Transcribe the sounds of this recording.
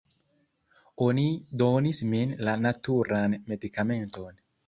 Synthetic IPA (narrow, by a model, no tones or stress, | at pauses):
onidonisminlanatuɾanme̞dikame̞nton